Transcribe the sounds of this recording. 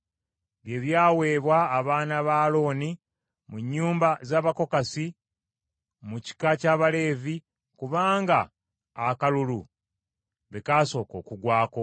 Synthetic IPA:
βje̞βjaːwe̞ːβwaːβaːnaβaːlo̞ːni | muɲːuːmbazaːβako̞kasi | muci̥kacaːβale̞ːvi | kuβaːŋɡaː | kalulu | βekaːso̞ːko̞̰ːkuɡwaːko̞

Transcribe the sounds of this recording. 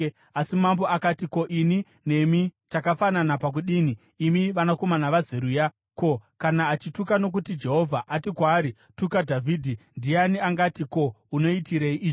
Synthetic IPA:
asimmambo̞ʔakatiko̞ʔini | ne̞mitakafananapak̬uɗini | imiʋanako̞manaʋazeɾuja | ko̞kanaːt͡ʃitukano̞k̬utid͡ʒe̞ɦo̞vʱaʔatikwaːɾi | tukadʱavʱidʱindianiaŋɡatiko̞uno̞itiɾeiʔiːʐo

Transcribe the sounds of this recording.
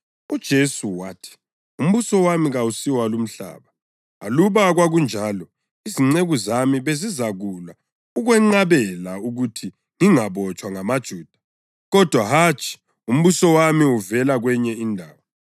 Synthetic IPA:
ud̥ʒ̥ʱesuwatʰi̥ | um̩βusɔwamiɣausiwalum̩ɬa̰ːβa | a̰luβaɣwaɣund͡ʒʱalɔ | iziŋ͡ǀeɣuzamiβezizaɣulwa | uɣwɛŋ͡ǀaβɛlauɣutʰi | ŋiŋaβɔt͡ʃʼwaŋamad̥ʒ̥ʱuːd̥ʱḁ | ɣɔd̥ʱwaɦat͡ʃʰʼi̥ | um̩βusɔwamiuvɛlaɣwɛɲɛindʱaːwa

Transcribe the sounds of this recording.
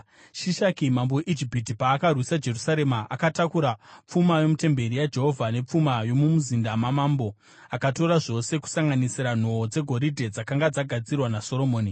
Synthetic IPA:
ʃiʃakimamboeʔid͡ʒipit̬ipaːkarwisad͡ʒe̞rusaɾe̞maʔakatakuɾap͡fumajo̞mute̞mbe̞ɾijad͡ʒe̞ɦo̞vʱane̞p͡fumajo̞mumuzindamamambo̞ | akato̞ɾaʐo̞se̞ku̥saŋɡanisiɾan̤o̞ːd͡ze̞ɡʱo̞ɾidʱe̞d͡zakaŋɡad͡zaɡʱad͡zirwanaso̞ɾo̞moːni

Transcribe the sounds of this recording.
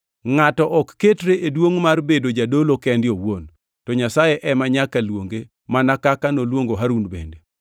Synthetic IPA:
ŋatɔʔɔkːetɾeedwoŋmarbedod͡ʒadolokɛndɪowon | tɔɲasajeʔɛmaɲakalwoŋɡe | manakakanolwoŋɡoɦaɾunbḛnde

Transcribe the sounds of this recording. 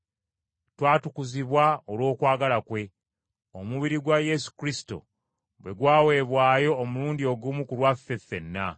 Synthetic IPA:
twaːtukuziβwaolwo̞ːkwaːɡalakwe̞ | omuβiɾiɡwaje̞su̥kɾisi̥to̞̰ | bwe̞ɡwaːwe̞ːβwaːjo̞ːmuluːndio̞ɡumukulwafːe̞fe̞nːa

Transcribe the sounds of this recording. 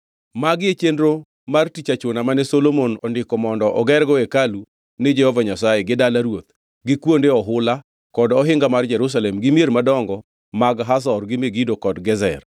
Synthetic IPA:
maɡjet͡ʃendɾo | martit͡ʃat͡ʃonamanɛsolomonɔndɪkɔmɔndɔʔɔɡɛrɡɔekalu | nɪd͡ʒɛhɔvaɲasajeɡɪdalaɾwot̪̚ | ɡɪkwondeɔɦʊla | kɔdɔɦɪŋɡamard͡ʒɛɾus̬alɛmɡɪmjeɾmadɔŋɡɔ | maɡɦas̬ɔrɡɪmeɡidokɔdɡɛzɛr

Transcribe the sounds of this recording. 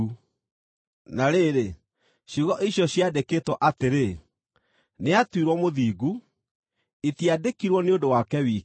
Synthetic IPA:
naɾeːɾe | ɕiɣɔʔiɕjɔɕjadekeːtwɔʔateɾe | neatwiɾwɔmoðiːɡu | etiadekiɾwɔneondowakɛwiː

